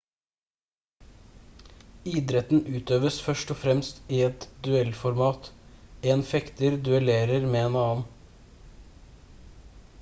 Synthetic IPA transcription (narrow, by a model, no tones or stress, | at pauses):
iːd̪ɾɛt̪n̩ʔʉːt̪øːʋəsfœʃʈɔfɾɛmst̪iːɛt̪d̪ʉɛlfɔɾmɑːt̪eːnfɛkt̪əɾd̪ʉɛleːɾəɾmeːeːnɑːn̩